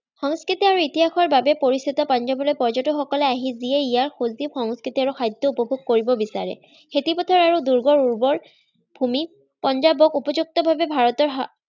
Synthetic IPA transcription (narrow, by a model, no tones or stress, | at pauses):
xɔŋskɹitiaɹuitiɦaxɔɹbabɛpoɹist̪itɔpɔnd͡ʒɔbɔlɔjpɔɹd͡ʒɔtɔxɔkɔlɛaɦiziɛijaɹxozibxɔŋskɹitiaɹuxajd̪ːɔupɔbʱoɡ̚koɹibɔbisa̰ɹɛ̰ | xetipɔtʰɔɹaɹuduɹɡɔɹuɹbɔɹ | bʱumi | pɔnd͡ʒabɔkupɔzuk̚tɔbʱabɛbʱaɹɔtɔɹɦ